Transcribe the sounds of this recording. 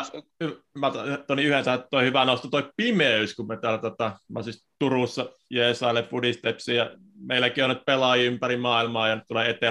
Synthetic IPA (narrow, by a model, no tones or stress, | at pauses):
yʋmæt̪t̪oniyhensæht̪t̪oˑihyʋænoˑust̪ɑt̪oˑipimeyskummet̪æːlːt̪ot̪ɑmɑ̰sist̪urusːɑ | jeːsɑˑilːeppudist̪epsijɑ | meˑilːˑækiːonyt̪̚pelɑˑjiympærimɑːilmɑːjɑnyt̪t̪uleet̪e